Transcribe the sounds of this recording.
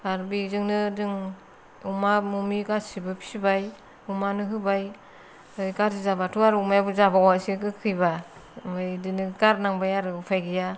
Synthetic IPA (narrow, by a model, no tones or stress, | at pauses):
aɾbizɯŋnɯdɯŋ | umamumiɡasibɯpʰi̥sibaj | umanɯɦɯbaj | ɯjɡaɾzizabatʰuaɾumajabuzabawasikɯkʰɯjba | majdɯnɯɡaɾnaŋbajaɾɯpʰajɡija